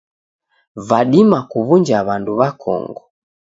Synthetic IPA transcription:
vaɗimakuβuɲd͡ʒaβanduβakʰɔ̰ŋɡɔ

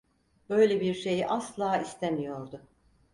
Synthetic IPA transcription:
b̥ø̞jlʲebiɾʃe̞jiʔaslˠaːist̪ʰemijo̞ɾd̪ʊ

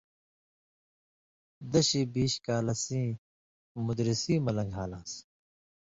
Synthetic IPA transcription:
d̪ɐɕiːbiːɕkaːlɐsĩː | mud̪ɾisĩːmɐlɐ̃ŋɡʱaːlãːs

